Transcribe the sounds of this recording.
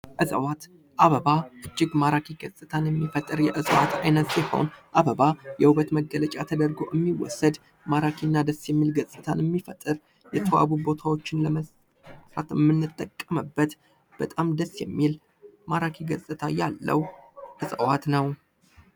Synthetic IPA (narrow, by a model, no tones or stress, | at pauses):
ʔɨzʼəwat̪ | ʔaβəβaʔɨd͡ʒːɪɡmaɾakʰiɡəsʼɨt̪ʰanjɛmːifət̪ʼːɨɾjɛʔɨsʼəwat̪ʰajnət̪jɛho̞̰nʔaβəβajɛhuβət̪məɡːələt͡ʃʼat̪ʰəd̪əɾɡo̰ʔɨmːiwɔ̰səd̪ | maɾakʰinːad̪əsjɛmːilɡəsʼɨt̪ʰanəmːifət̪ʼːɨɾ | jɛt̪ʰəwa̰βubo̞t̪ʰawo̞t͡ʃːɪnləməs | at̪ɨmːɨnːɨt̪ʼːəkʼːəməbːət̪ | b̥ət̪ʼamd̪əsːjɛmːil | maɾakʰiɡəsʼɨt̪ʰajalːə̰wʔɨsʼəwat̪nəw